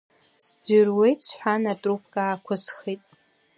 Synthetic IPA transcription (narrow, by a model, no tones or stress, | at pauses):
sd͡zʏrwejt͡sʷʰħʷᶣanatʼrupʰkʼaːkʷʰʊsχitʼ